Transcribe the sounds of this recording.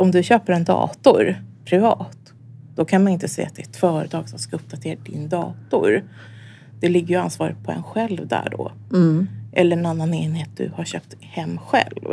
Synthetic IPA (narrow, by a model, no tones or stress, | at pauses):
ɔmd̪ɵɕøːpəɾɛnd̪ɑ̰ːt̪ʊɾpʰɾɪvɑːt̪ | d̪̥ɔkʰanmanɪnt̪əsɛ̰jːat̪̚d̪ɛːt̪fœːɾət̪ʰɑːɡ̥sɔmskaɵp̚ːd̪at̪ʰeːɾad̪ɪnd̪ɑ̰ːt̪ʊ̰ɾ | d̪̥ɛlɪɡːəjɵansvɑːɾət̪̚pʰɔɛ̰nɧɛlvd̪æ̰ːɖɔ̰ | ʔɛlːəɾɛnanːaneːnheːt̪̚d̪ɵ̰haɕøːpt̪hɛmːɧɛ̰lv